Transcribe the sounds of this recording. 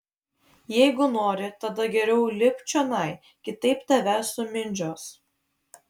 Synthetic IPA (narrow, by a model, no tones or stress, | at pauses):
jɛɪɡʊnoːɾʲɪt̪ɐd̪ɐɡʲɛɾʲɛʊlʲɪpʲt͡ʃʲɛnɐɪ | kʲɪt̪ɐɪpt̪ʲɐʋʲɛsʊmʲɪnʲd͡ʒʲoːs